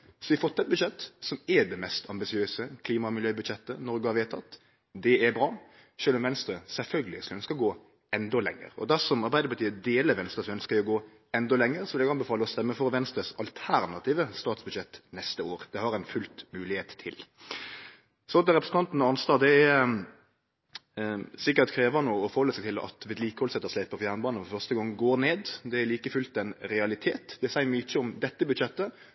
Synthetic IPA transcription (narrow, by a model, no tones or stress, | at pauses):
sɔʋɪɑfɔt̪ːɛt̪̚bʉd̪ʃɛt̪ːsɔmɛd̪ɛmɛst̪ʰɑmbɪsɪøːsəkʰliːmɑmɪljøːbʉd̪ʃɛt̪ːənɔɾɡəhɑɾʋeːt̪ʰɑt̪ː | d̪ɛɛɾbɾɑː | ʃøːlɔmʋɛnst̪ɾəsɛlfœlɡəlɪsœnskəɡoː | ɛnd̪ɔlɛ̰ŋːə̰ɾɔ̰d̪æɾsɔmɑɾbæɪd̪əpɑt̪iːəd̪eːləʋɛnst̪ɾəsɔœnskəʋɪɔɡoː | ɛnd̪ɔlɛŋːəɾsɔʋɪlɛɡɑnbəfɑːləɔst̪ɛmːəfɔɾʋɛnst̪ɾəsɑlt̪ʰæɾnɑt̪ʰiːʋəst̪ɑːt̪sbʉd̪ʃɛt̪ːnɛst̪əoːɾd̪̥ɛhɑɾɛɪnfʉlt̪mʉːlɪheːt̪ʰːɪ̰l | sɔd̪ɛɾɛpɾəsn̩ɑnt̪n̩ɑnst̪ɑːd̪ɛæ | sɪkːəɾt̪kʰɾeːʋɑnoːɔfɔɾhɔlːəsɛɡt̪ʰɪlɑ̰t̪ʋeːd̪liːkəhɔlsɛt̪ːəslæɪpəfjæːʁnbɑːnəfɔfœʁst̪əɡɑŋːɡoːɾneːd̪d̪ɛæliːkəfʉlt̪ɛnɾɛɑlɪt̪ʰeːt̪d̪ɛsæɪmɪçːəɔmd̪ɛt̪ːəbʉd̪ʃɛt̪ːə